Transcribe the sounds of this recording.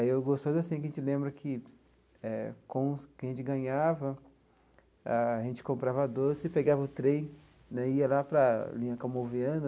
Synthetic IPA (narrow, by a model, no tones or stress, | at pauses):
aiewɡost̪ozɐsĩkɐʒẽt͡ʃɪlẽmbɾɐkʰɪ | ɛkõw̃kɐʒẽt͡ʃɪɡɐ̃ɲavɐ | aaʒẽnt͡ʃɪ̥kõmpɾavɐad̪osɪɪpeɡavɐʊt̪ɾẽj̃ | nɛiɐlapɾɐlĩɲɐkamoviɐ̃nɐ